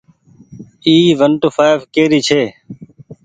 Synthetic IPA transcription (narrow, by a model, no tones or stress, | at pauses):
iːʋəɳʈoːfʰaːɪʋkeːɾiːt͡ʃʰeː